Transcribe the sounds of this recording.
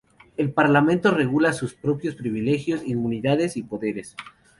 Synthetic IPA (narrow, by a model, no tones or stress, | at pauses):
e̞lpaɾlamẽ̞nt̪o̞re̞ɣulasuspɾo̞pjo̞spɾiβile̞xjosimmũniðaðesipo̞ðe̞ɾes